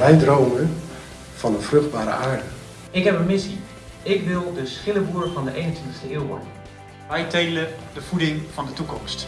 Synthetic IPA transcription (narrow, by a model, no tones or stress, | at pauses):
ʋɛjdroːmən | fɑnənfrɵχd̚baːɾə̰ʔaːɹdə | ɪkɦɛpənmɪsi | ɪkʋɪlˠdəsχɪləbuːɾəfɑndəʔejnəntʋɪntə̥xstəeːəwʋɔ̰nə | ʋɛjtejlədəfudɪŋfɑndətukɔmst